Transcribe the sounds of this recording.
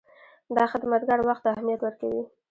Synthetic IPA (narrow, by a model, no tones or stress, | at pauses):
d̪ɑxɪd̪mat̪ɡaɽwaxt̪ahmijat̪wəɾkawi